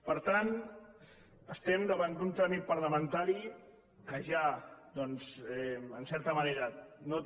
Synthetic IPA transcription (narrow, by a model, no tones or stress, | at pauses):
pəɾt̪an | əst̪ɛmd̪əβand̪unt̪ɾamit̪̚pəɾləmənt̪aɾi | kəʒad̪ɔnzɛənsɛɾt̪əməneɾəno